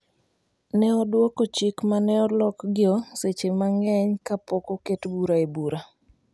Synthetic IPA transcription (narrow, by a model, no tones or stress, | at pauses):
nɛɔdwokot͡ʃikmanɛɔlɔkɡɪɔset͡ʃemaŋɛɲkapɔkoketbuɾaebuɾa